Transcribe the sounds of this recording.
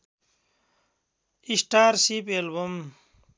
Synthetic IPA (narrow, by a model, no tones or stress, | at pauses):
isʈaːɾsipelbɐm